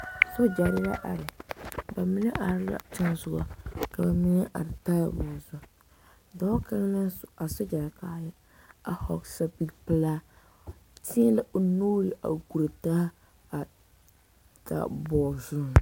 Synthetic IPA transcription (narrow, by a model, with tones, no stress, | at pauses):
sɔ˦d͡ʒa˨ɾɪ˦ja̰˦ʔa˨ɾɪ˨ba˨mi˦nɨ˦ʔa˨ɾla̰˨t͡ʃa˦nzʊ˨ɡa̰˨ka˨ba˨mi˦nɪ˦ʔa̰˨ɾɪ˨ta˦ja̰˨bɔ˨zʊ˦ | dɔ˦ka˦ŋla˦a˨so˦d͡ʒa˨ɾkaː˦ja˦ | a˨hɔ˨ksa˦bi˦ɡpɨ˦laː˦ | ti˦la˦ʔo˨noː˦ɾi˨ʔa̰˨ɡu˨ɾɨ˨ta˦ | a˨ | ta̰˨bɔː˨zʊ˦˨